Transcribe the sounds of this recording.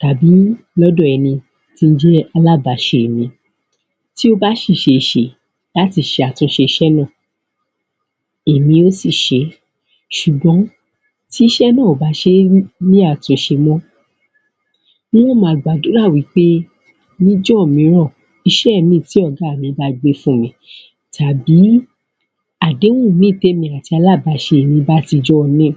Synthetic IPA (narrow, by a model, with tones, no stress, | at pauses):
ta˨bi˨˦lɔ˦dɔ˦˨ɛ˧nĩ˧ | ti˧n̩˦d͡ʒɛ˦a˧la˦ba˨˦ʃe˧e˨mĩ˧ | ti˦o˦ba˦ʃi˦˨ʃe˧i˨ʃe˨ | la˦ti˧˨ʃe˧a˨tũ˧ʃe˧i˧ʃɛ˦nã˦˨ | e˨mĩ˧o˦si˦˨ʃe˧˦ | ʃu˨ɡ͡bɔ̃˨˦ | ti˦i˦ʃɛ˦nãː˦˨o˨ba˨˦ʃe˧˦mĩ˦a˦˨tũ˨˦ʃe˧mɔ̃˦ | w̃ɔ̃˦mãː˨˦˨ɡ͡ba˨do˨˦ɾa˦˨wi˨˦k͡pe˦ | nĩ˦d͡ʒɔ˦˨mĩ˨˧˦ɾ̃ɔ̃˦˨ | i˧ʃɛ˦˨mĩ˦˨ti˨˦ɔ˦˨ɡa˨˦˨mĩ˨˧˦ba˧ɡ͡be˧fũ˦˨mĩ˨˧˦ | tʰa˨bi˨˦ | a˨de˨˦ũ˦˨mĩ˦˨te˦mĩ˧a˨ti˧a˧la˦˨ba˨˧ʃe˧˨mĩ˧ba˦ti˧d͡ʒɔ˦˨nĩ˦˨